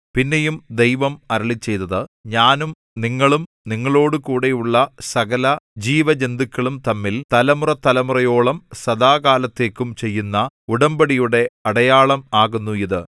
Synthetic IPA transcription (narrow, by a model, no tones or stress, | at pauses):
pinːe̞jumd̪e̞jʋɐmɐɾɐɭit͡ɕːe̞jt̪ːɐðɨɲaːnum | niŋːɐɭum | niŋːɐɭo̞ːɽɨkuːɽe̞juɭːɐsɐɣɐlɐd͡ʑiːʋɐd͡ʑe̞nd̪ikʲːɐɭumt̪ɐmːilt̪ɐlɐmurɐt̪ːɐlɐmurɐjo̞ːɭɐmsɐd̪aːɣaːlɐt̪ːe̞ːkːumt͡ɕe̞jːunːɐuɽɐmbɐɽijuɽe̞ɐɽɐjaːɭɐmaːɣunːuiðɨ